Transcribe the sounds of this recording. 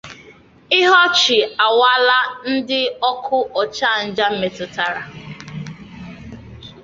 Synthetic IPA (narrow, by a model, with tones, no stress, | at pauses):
ɪ˦ɦɔ˦t͡ʃɪ˨a˨wa˦la˦n̩˦dɪ˦ɔ˦kʰʊ˦ʔɔ˨t͡ʃa˦˨n̩˦˨d͡ʒa˦m̩˦me˨tʊ˨ta˨ɾa˨